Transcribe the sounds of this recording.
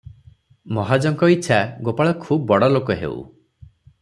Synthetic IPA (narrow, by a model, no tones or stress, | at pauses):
mɔɦad͡ʒɔŋkɔit͡ʃʰaɡopaɭɔkʰubɔbɔɽɔlokɔɦḛṵ